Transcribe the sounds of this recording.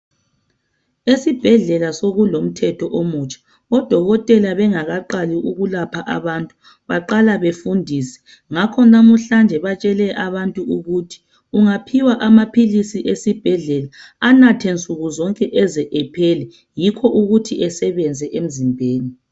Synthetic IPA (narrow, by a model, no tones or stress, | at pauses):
esib̥ʱɛɮɛlasoɣulom̩tʰɛtʰɔʔomut͡ʃʼḁ | ɔd̥ʱɔɣɔtʼɛlaβɛŋaɣaǃaliʔuɣulapʰaʔaβantʼu̥ | βaǃalaβefundʱisɛ̥ | ŋakʰɔnamuɬand͡ʒʱɛβat͡ʃʼɛlɛʔaβantʼuuɣutʰi̥ | uŋapʰiwaʔamapʰilisiʔesib̥ʱɛɮɛla | anatʰent͡sʼuɣuzɔŋkʼɛʔɛzɛʔɛpʰɛlɛ | jikʰɔʔuɣutʰiʔɛsɛβɛnd͡zʱɛʔem̩zimbʱeːni